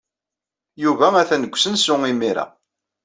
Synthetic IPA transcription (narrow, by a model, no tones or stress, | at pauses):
juvææθænəɡʷːsənsʊŋimiɾa̰